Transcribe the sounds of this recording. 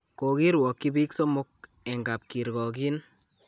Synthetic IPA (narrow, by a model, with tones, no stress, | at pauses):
ko˨ki˦ɾwɔ˨kːi˦bi˦kso˦mʊ˦k̚ | ɛ˨ŋɡa˨p̚ki˨ɾkɔ˨ki˦n